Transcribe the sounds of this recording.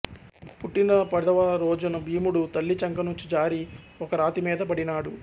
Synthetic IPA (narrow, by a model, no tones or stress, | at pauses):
puʈːinɐpɐd̪ɐʋɐɾɔːd͡ʒɐnɐbʱiːmuɽut̪ɐlːit͡ʃɐŋkɐnuɲt͡ʃid͡ʒaːɾi | ɔkɐɾaːt̪imiːd̪ɐpɐɽinaːɽu